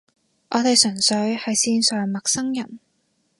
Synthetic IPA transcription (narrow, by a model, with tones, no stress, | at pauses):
ʔɔː˨˧t̪e˨jsœ˨˩ŋsɵ˨˥ɥhɐ˨jsiː˧nsœː˨ŋmɐ˨k̚sɐ˥ŋjɐ˨˩n